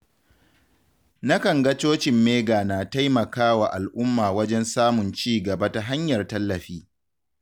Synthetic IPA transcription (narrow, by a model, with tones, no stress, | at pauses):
na˦kɐ˨ŋɡɐ˦t͡ʃoː˦t͡ʃɪ˨mːeː˦ɡaː˨na˨ta˦jmɐ˨kaː˦wa˨ʔa˨lʔʊ˦mːaː˨wɐ˦d͡ʒɛ˦nsaː˦mʊ˨nt͡ʃiː˦ɡɐ˨ba˦ta˨ɦa˦ɲjɐ˨rtɐ˦lːɐ˨ɸiː˦